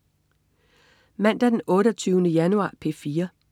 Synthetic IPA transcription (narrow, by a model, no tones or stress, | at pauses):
mæn̰d̥æd̥enɔ̽ːɾɐt͡sʰyːʊnəjænuɑ̰̈ːpʰe̝̰fiːɐ